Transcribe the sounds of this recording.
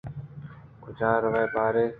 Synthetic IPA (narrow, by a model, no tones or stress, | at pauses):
kʊd͡ʒʱãːɾəʋeːpaːɾeː